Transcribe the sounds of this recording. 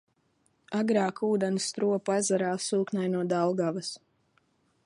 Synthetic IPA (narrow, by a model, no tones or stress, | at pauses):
aɡɾaːkuːd̪ɛnst̪ɾuɔpazaɾaːsuːknajnuɔd̪alˠɡavas